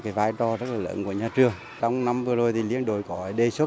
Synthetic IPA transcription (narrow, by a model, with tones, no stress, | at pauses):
kaː˨˦jvaː˧jt͡ɕɔ˧zə˦˥t̚laː˨˩lə̰ː˧˨˦nku˧˩əɲaː˧˩t͡ɕɨ˨˧˩əŋ | t͡ɕɔ˧wŋ͡mna˧˥mvɨ˧əzo˨˧˩jt̪ʰi˨˩li˧˥ənɗo˨˩jkɔ˨˧˩ɗe˧˩sə˦˥